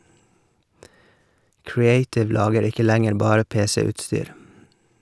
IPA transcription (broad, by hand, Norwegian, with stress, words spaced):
kɹɪˈeɪtɪʋ ˈlɑːɡəɾ ˈɪkə ˈlæŋəɾ ˈbɑːɾə ˈpeːsəʉːtˌstyːɾ